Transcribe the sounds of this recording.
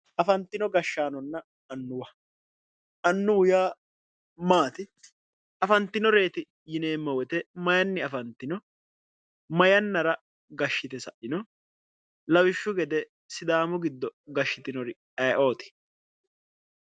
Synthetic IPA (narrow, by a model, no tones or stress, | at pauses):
ʔɐfɐnt̪ːɪnɔɡɐʃːaːnɔnːɐ | ɐnːʊwɐ | ʔɐnːʊwʊjaː | maːt̪ɪ | ɐfɐnt̪ːɪnɔɾe̞ːt̪ɪ | jɪne̞ːmːɐwɛt̪ɛmɐjɐnːɪɐfɐnt̪ːɪnɔ | mɐjɐnːɐɾɐ | ɡɐʃːɪt̪ɛsɐʔɪnɔ | lɐwɪʃːʊɡɛd̪ɛ | sɪd̪aːmʊɡɪd̪ːɔɡɐʃːɪt̪ɪnɔɾɪ | ɐjʔo̞ːt̪ɪ̥